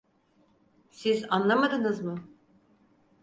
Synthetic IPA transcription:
sizanlˠamad̪ɯnɯzmɯ

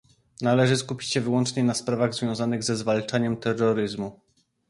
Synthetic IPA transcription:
nalɛʐɘskupʲi̥t͡ɕɕɛvɘwɔnt͡ʂɲɛnaspɾavaɣzvʲjɔ̃w̃zanɘɣzɛzvalt͡ʂaɲɛmt̪ɛrːɔɾɘzmu

